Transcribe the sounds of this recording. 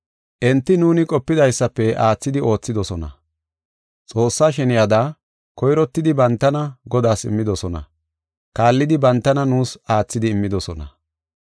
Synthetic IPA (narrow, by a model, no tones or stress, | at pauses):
ʔɛnt̪ːɪnuːnɪkʼɔpːɪd̪ɐjsːɐpːɛʔaːt͡sːɪd̪ɪo̞ːt͡sːɪd̪ɔsɔnɐ̰ | t͡sʼo̞ːsːaːʃɛnɪjɐd̪a | kɔjɾɔt̪ːɪd̪ɪbɐnt̪ːɐnɐɡɔd̪aːsɪ̰mːɪd̪ɔsɔnɐ̰ | kaːlːɪd̪ɪbɐnt̪ːɐnɐnuːsaːt͡sːɪd̪ɪːmːɪd̪ɔsɔnɐ